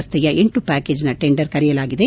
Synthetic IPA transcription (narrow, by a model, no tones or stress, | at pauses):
st̪ʰɛjɐʔeɳʈupaːkeːd͡ʒnɐʈeɳɖɐɾkɐɾɛjɐlaːɡid̪e